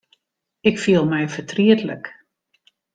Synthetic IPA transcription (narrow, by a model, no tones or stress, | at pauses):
ɪkfiəlˠmɛjfətriətlə̰k